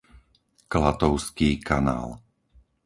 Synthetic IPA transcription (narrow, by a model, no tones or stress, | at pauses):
klat̪ɔʊskiːkʰana̰ːl